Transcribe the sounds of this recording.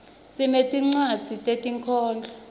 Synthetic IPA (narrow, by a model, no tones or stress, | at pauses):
sinetʼiŋ͡ǀad̥z̥ʱitʼetʼiŋkʰɔːnd͡ɮʱa